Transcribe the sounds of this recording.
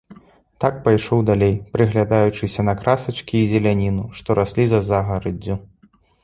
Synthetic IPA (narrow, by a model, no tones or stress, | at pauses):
t̪ak̚pajʂɔwd̪alʲejpɾɨɣlʲad̪ajut͡ʂɨsʲɐnɐkɾasɐt͡ʂkʲiːzʲɛlʲanʲinuʂt̪ɔɾʔasʲlʲizɐzaɣɐɾɐd͡zʲːu